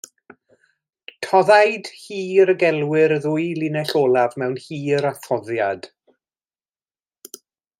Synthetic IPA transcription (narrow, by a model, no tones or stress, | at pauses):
tʰɔðajd̥hiːɾɡɛlˠwɪɾðʊːɨjlˠɪnɛɬoːlˠavmɛwnhiːɾaθɔðjad̥